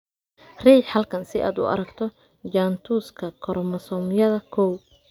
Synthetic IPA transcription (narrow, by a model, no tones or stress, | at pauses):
riːħɐlkʰɐnsɪʔa̰ːd̪ʊ̰ɐ̰ɾɐɡt̪ʰɔ | d͡ʒaːnt̪ʰuːskʰɐkʰɔɾmɐsɔːmjɐðɐkʰɔw